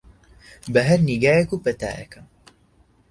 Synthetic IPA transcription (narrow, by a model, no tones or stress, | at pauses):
bɐɦɐɾniɡaːjekuːpɐt̪a̰ːjɐ̰kʰɐm